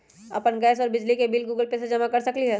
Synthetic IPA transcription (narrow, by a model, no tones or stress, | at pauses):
ɐ̰pənɡɛːsɔːɾbɪd͡ʒlikebilɡuːɡəlpesed͡ʒɐmakɐɾsɐkliɦɛ